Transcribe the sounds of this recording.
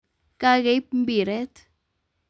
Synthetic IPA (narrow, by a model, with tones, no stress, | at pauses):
ka˦ke˨p̚m̩˦bi˨ɾɛ˦t